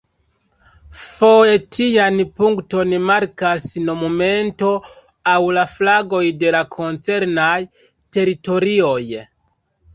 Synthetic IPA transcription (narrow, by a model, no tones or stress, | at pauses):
fo̞je̞tʰijanpuŋkto̞nmaɾkasnomume̞nto̞ | awlaflaɡo̞jde̞lakʰo̞nt͡se̞ɾnaj | te̞ɾito̞ɾio̞j